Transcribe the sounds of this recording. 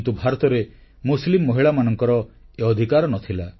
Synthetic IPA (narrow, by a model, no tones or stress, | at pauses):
t̪ubʱaɾɔt̪ɔɾe | muslimːɔɦiɭamanɔŋkɔɾɔeɔd̪ʱikaɾɔnɔt̪ʰila